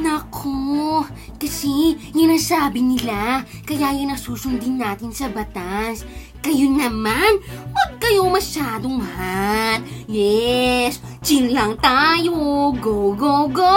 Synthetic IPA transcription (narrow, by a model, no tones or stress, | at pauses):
nɐkʰo | kɐsɛjʊŋnɐsaːbɪnɪlakɐjajɐŋnɐsuːsʊnd̪ɪnːaːt̪ɪnsɐbɐt̪as | kɐjonɐmanwɐd̪̚kɐjomɐʃaːd̪oŋmɐhaljɛst͡ʃɪnlɐŋt̪aːjoɡoɡoɡo